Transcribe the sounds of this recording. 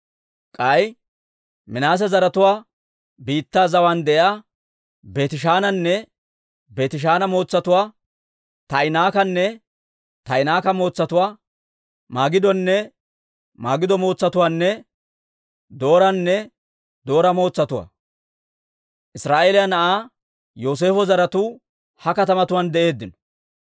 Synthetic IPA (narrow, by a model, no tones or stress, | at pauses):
kʼɐj | mɪnaːs̬ɛzɐɾɐt̪ʊwaː | biːt̪ːaːzɐwand̪ɛʔaː | be̞ːt̪ɪʃ̬aːnɐnːɛ | be̞ːt̪ɪʃ̬aːnɐmo̞ːt͡sːɐt̪ʊwaː | t̪ɐɪnaːkɐnːɛ | t̪ɐɪnaːkɐmo̞ːt͡sːɐt̪ʊwaː | maːɡɪd̪ɔnːɛ | maːɡɪd̪ɔmo̞ːt͡sːɐt̪ʊwaːnːɛ | d̪o̞ːɾɐnːɛ | d̪o̞ːɾɐmo̞ːt͡sːɐt̪ʊwa̰ː | ʔɪsɾaːʔeːlɪjɐnɐʔaː | jo̞ːs̬e̞ːfɔzɐɾɐt̪uː | hɐkɐt̪ɐmɐt̪ʊwand̪ɛʔe̞ːd̪ːɪnɔ̥